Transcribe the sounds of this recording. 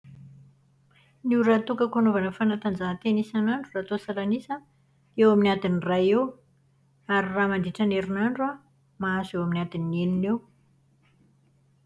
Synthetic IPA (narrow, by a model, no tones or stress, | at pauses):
niɾat̪ukəkanovanəfanat̪and͡zaɦt̪enisanaɳɖ͡ʐurat̪osaɾanisə | ewaminiad̪inirajew | aɾiramand̪iʈ͡ʂaneɾinaɳɖ͡ʐua | maasewaminiad̪inːeninew